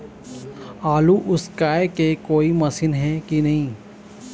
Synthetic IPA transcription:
aːluʔʊskaːekekoːimɐsɪnɦɛkinɐɦĩː

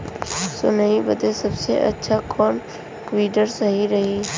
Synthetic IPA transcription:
sonɐɦĩbəd̪esɐbsḛʔɐ̰tːʃʰakʰɔːn | kʋiːɖəɾsɐɦiɾɐɦi

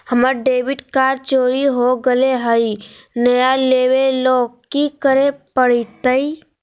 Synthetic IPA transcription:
həməɾɖeːʋɪɖkaːɾt͡ʃoːɾiɦoɡəleɦəi | nəjaleːweloːɡkikəɾepəɽit̪əi

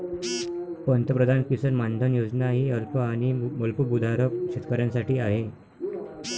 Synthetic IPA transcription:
pənt̪əpɾəd̪ʱankisənmand̪ʱənjod͡znaɦiːəlpəañiməlpubud̪ʱaɾəɕit̪kəɾjãnsaʈiːaɦe

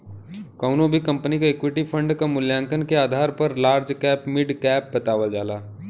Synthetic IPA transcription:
kɐʊnõbʱikɐ̃mpnikaeːkwɪʈipʰə̃ɳɖkamʊljãːŋkənkeaːd̪ʱaːɾpɐɾlaːɾd͡ʒkɛːpmɪɖkɛːp̚bɐt̪aːʋəld͡ʒaːlaː

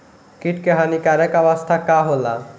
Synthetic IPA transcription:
kiʈkeɦanikaɾekɔbast̪ʰakaɦola

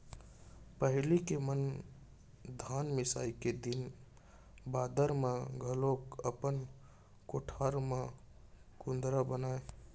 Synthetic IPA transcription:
pəɦɪlikemən | d̪ʱaːnmɪsa̰ːiked̪ɪn | baːd̪əɾmẽɡʱəlokəpən | koʈʰaɾmẽ | kʊ̃nd̪ɾabənaːe

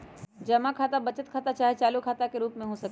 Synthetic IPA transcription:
d͡ʒɐmakʰaːt̪abɐt͡ʃət̪̚kʰaːt̪at͡ʃaːɦet͡ʃaːlukʰaːt̪akeɾuːpmẽɦosɐk

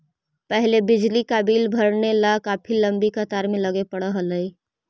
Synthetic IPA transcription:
pəɦlebɪd͡ʒlikaːbiːlbʱəɾnelakaːpʰiləmbikət̪aːɾmẽləɡepəɽəɦələi

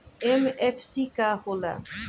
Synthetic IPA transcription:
ɛmɛfsikahola̰

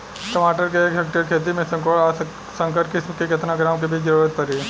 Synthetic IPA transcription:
sʈɐmaːʈəɾkeeːkɦek̚ʈəɾkʰeːt̪̬imẽsɐŋkoɭa | sɐ̃ŋkəɾʈkɪsmkekɐt̪naɡɾaːmkebʱit͡ʃd͡ʒɐɾuːɾət̪̚pɐɾiː

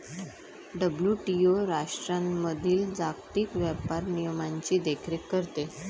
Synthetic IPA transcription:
ɖəbljuʈioɾaʂʈɾamːəd̪ʱiːld͡zakt̪iːkʋjapaɾnijəmaɲt͡ɕiːd̪ekʰɾekːəɾt̪e

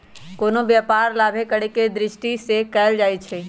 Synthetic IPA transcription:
koːnobjaːpaːɾlaːbʱekəɽeked̪ɾɪʃʈisekɛːld͡ʒaːit͡ʃʰe

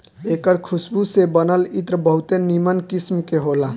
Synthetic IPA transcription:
ekəɾkʰusbusebənəlit̪ɾəbəɦut̪enimənkismkeɦolã

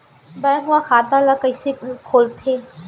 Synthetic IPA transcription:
bɐjãɦʊakʰaːt̪alakəisekʰoːlt̪ʰeː

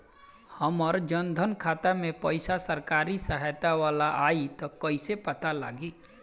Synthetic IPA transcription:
həmɔɾd͡ʒənd̪ʱənkʰaːt̪amẽpəɪsasəɾkaːɾisəɦət̪aʋaːlaʔaːit̪ɔkəɪsepɐt̪ala̰ːɡiː

